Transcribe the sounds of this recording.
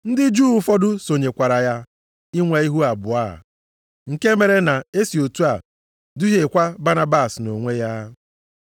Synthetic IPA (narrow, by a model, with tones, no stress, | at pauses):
n̩˦dɪ˦d͡ʒuː˦˨u˦fɔ˦dʊ˦so˨ɲe˨kʷa˨ɾa˨ja˦ | i˦ŋʷe˨i˦ɦu˦a˨bʊ˨a̰˦˨ | ŋ̩˨ke˦me˨ɾe˨na˨e˦si˨o˨tu˦a˨ | dʊ˦ɦe˨kʷa˦ba˦na˦ba˦˨sno˨ŋʷe˦ja˦